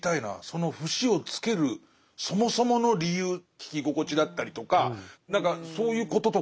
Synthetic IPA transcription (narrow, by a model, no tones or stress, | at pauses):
t̪aina̰so̞no̞ɸɯ̟ɕio̞t͡sɨ̥ke̞ɾɯ̟ | so̞mo̞so̞mo̞no̞ɾʲijɯːkʲi̥kʲiɡo̞ko̞t͡ɕid̪at̪ːaɾʲit̪o̞kanãŋkaso̞ːjɯ̟ːko̞t̪o̞t̪o̞